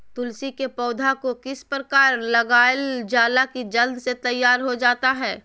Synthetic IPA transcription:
t̪ʊlsikepɔːd̪ʱakokɪspɾəkaːɾlɐɡaːld͡ʒaːlakid͡ʒɐld̪set̪ɐjːaːɾɦod͡ʒaːt̪aɦɛː

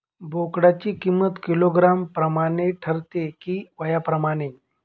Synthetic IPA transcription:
bʱokɽat͡ɕiːkimːət̪kiloɡɾampɾəmaɽ̃eʈʰəɾt̪ekiːʋəjapɾəmaɽ̃e

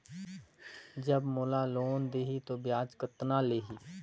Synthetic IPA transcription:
d͡ʒəbmolaloːnd̪eːɦit̪objaːd͡ʒkət̪naleːɦiː

